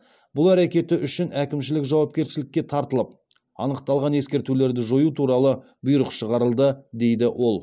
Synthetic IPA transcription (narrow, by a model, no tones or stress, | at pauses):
b̥ʊlˠæɾekʲe̞t̪ɪʔʏʃɪnækʲɪmʃɪlɪkʒɑwɑp̚kʲe̞ɾsɪlɪkʲːe̞t̪ʰɑɾt̪əlˠəp̚ | ɑ̰nəqt̪ɑlˠʁɑne̞skʲe̞ɾt̪ule̞ɾd̪ɪʒo̞jut̪ʰuɾɑlˠə | bʊjɾəqʃəʁɑɾəlˠd̪əd̪e̞jd̪ɪwʔo̞lˠ